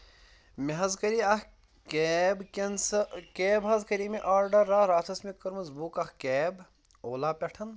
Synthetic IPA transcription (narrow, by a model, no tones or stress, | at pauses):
meɦɐzkɐɾiɐh | keːbkɐnskeːbɦɐzkɐɾiːmeʔaːɾɖɐɾːaɾaːt̪ʰɐsmikɐɾmɐzbuːkɐhkeːb | oːlaːpʲɐʈʰɐn